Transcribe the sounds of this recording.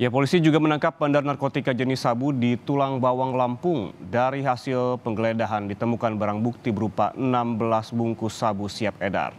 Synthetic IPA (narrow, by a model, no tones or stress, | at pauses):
japolisid͡ʒuɡamənaŋkap̚bandarnarkot̪ikad͡ʒənisabudit̪ulaŋbawaŋlampʊŋdaɾiɦasɪlpəŋɡəledaɦandit̪əmukanbaɾaŋbuk̚t̪ibəɾupa̰ʔənambəlasbuŋkusabusiap̚eda̰r